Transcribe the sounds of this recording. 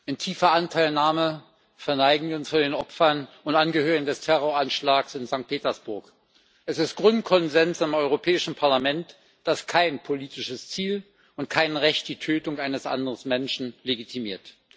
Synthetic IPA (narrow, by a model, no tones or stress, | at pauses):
ʔɪntʰiːfɐʔantʰaɪlnaːmə | fɛɐnaɪɡŋ̩ənfudeːnɔpfɐn | ʊntʔanɡəhøːʁɪɡŋ̩dɛstʰɛʁ̞oːɐanʃlaːksɪnzaŋk̚t̚pʰeːtɐsb̥ʊɐk | ʔɛsɪstɡ̥ʁʊntkʰɔnzɛnsɪmʔɔʏʁ̞opʰɛːɪʃn̩pʰaɐlamɛnt | d̥askʰaɪnpʰoliːtɪʃəst͡siːl | ʊntkʰaɪnʁɛçt̚d̥iːtʰøːtʊŋʔaɪnəsʔa̰ndəʁəsmɛnʃn̩leɡitʰimiːɐt